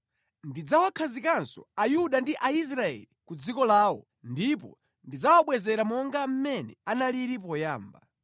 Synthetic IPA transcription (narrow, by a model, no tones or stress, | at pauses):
ndid͡zawakʰazikansɔ̰ajuɗandiʔais̬ɾaɛ̰likud͡zikɔlaːwɔ̰ | ndipɔ̰ | ndid͡zawaɓwɛzɛɾamɔŋɡam̩mɛnɛ̰analiɾip̬ɔjaːmba